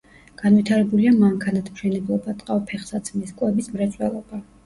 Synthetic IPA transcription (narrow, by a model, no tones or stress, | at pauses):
ɡ̥anvit̪ʰaɾɛbuliamaŋkʰanat̪ʰmʃɛnɛblˠɔbat̪ʼqʼavpʰɛχsat̪sʰmɛskʼwɛbismɾɛt̪sʼwɛ̰lˠɔb̥a